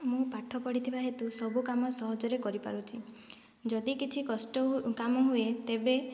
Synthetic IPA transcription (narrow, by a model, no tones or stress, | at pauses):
mũpaʈʰɔpɔɽit̪ʰibaɦet̪usɔbukamɔsɔɦɔd͡ʒɔɾekɔɾipa̰ɾut͡ʃʰi | d͡ʒɔd̪ikit͡ʃʰikɔsʈɔkamɔɦuet̪ebe